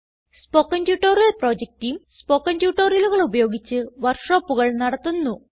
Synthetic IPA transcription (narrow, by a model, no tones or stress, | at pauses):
spo̞ːkːɐndjuːʈːoːrjɐlproːd͡ʑek̚tijumspokːɐndjuːʈːoːrjɐluɣɐɭubɐjo̞ːɡit͡ɕːɨʋɐrʂo̞ːpːuɣɐɭnɐɽɐt̪ːunːu